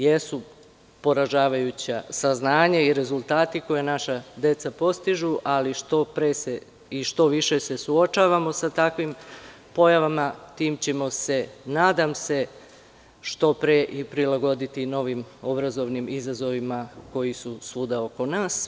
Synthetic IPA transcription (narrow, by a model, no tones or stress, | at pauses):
je̞su | po̞ɾaʒaːʋajut͡ɕasaznaːɲaiɾe̞zulˠt̪aːt̪iko̞jenaʃad̪e̞t̪sapo̞st̪iʒuʔaliʃt̪opɾese | iʃt̪o̞ʋiʃe̞se̞suo̞t͡ʃaːʋamo̞sat̪akʋim | po̞jaʋamat̪iːmt͡ɕe̞mo̞se̞naːd̪amse̞ | ʃt̪o̞pɾeʔipɾilaɡo̞d̪it̪ino̞ʋimo̞bɾazo̞ʋnimizazo̞ʋimako̞jisusuːd̪ao̞ko̞naːs